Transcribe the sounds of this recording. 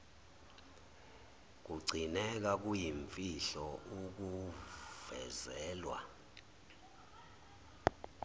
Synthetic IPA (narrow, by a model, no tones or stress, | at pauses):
k̬uɡ͡ǀʱinɛk̬ak̬ujiɱfiɬɔuk̬uv̥ɛzɛːlwa̰